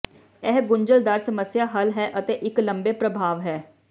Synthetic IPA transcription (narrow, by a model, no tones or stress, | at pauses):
ɛːɦɡʊɲd͡ʒəld̪aːɾsəməsjaːɦəlɦɛːʔət̪eːʔɪkləmbeːpɾəbʱaːʋɦɛː